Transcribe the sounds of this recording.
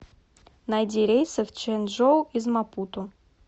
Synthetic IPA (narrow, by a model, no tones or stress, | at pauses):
najdʲiɾʲejsəft͡ʃɛnʲʐowizmaput̪ʊ